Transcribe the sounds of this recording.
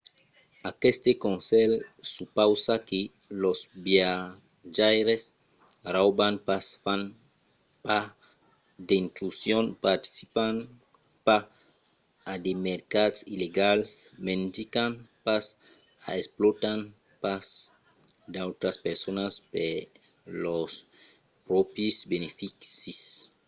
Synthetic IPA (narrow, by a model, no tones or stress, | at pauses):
akest̪ekonselsupawsaki | losbja | ʒajɾes | rawbanpaan | pa | d̪eint̪ɾusjonpaɾt̪i̥sipan | pa | ad̪emeɾkatsileɡalsmend̪ikanpas | aesplot̪an | pas | d̪awt̪ɾaspeɾsonaspelos | pɾɔpisbenefiksis